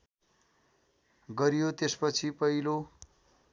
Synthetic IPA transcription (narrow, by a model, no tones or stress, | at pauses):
ɡʌɾjot̪espʌt͡sʰipʌɦilo